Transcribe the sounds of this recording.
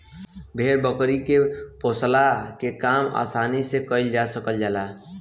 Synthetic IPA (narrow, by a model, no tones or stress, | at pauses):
bʱeɾbəkɾikeposlakekama̰ːsanisekəɪld͡ʒasəkəld͡ʒaːla